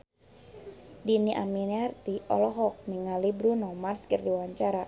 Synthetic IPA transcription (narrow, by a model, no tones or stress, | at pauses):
diniʔa̰miniart̪iɔ̰lɔɦɔk̚niŋalibɾunɔmarskərdiwaɲt͡ʃaɾa